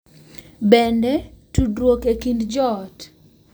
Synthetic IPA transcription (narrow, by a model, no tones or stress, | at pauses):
bɛndɛtudwokekindd͡ʒɔt